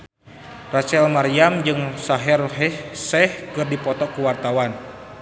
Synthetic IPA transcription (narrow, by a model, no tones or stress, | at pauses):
rat͡ʃɛlmaɾiamd͡ʒɨŋsaɦɛrɦɛsɛhkɨrdipɔt̪ɔkuwart̪awan